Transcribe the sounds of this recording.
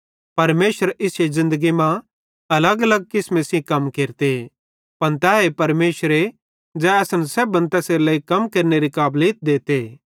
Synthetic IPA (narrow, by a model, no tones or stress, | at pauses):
pɐɾmeːʃəɾɪsezɪ̃nd̪əɡimã | ɐləɡɐləɡ̚kɪsmẽsĩkɐmkeːɾt̪e | pɐnt̪ɛːɦepɐɾmeːʃəɾe | d͡ʒɛɛːsənsɛbɐ̃nt̪ɛːseːɾlɐikɐmkeːɾneɾikaːbliːt̪̚d̪eːt̪e